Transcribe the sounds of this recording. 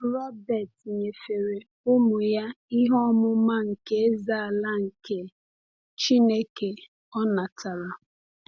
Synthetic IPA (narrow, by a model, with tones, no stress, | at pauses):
ɾɔ˦bɛ˨tɲe˨fe˨ɾe˨ | ʊ˦mʊ˨ja˦i˦ɦɔ˦mʊ˦ma˦ŋ̩˨ke˦e˦za˦˨a˨la˦ŋ̩˨ke˨ | t͡ʃi˦ne˦ke˨ | ɔ˦na˨tʰa˨ɾa˨